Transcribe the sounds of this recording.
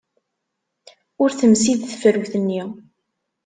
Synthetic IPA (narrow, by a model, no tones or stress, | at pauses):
ʊɾθəmsiðθəfəɾwθənːi